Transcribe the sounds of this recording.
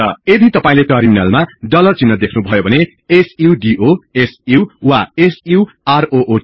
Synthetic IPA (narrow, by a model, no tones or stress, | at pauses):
ʌed̪ʱit̪ʌpaĩleʈʌrminalmaɖʌlʌt͡sinːʌd̪ekʰnubʱʌjobʱʌne | esiɖiʔoesiwwaesiw | aroʔo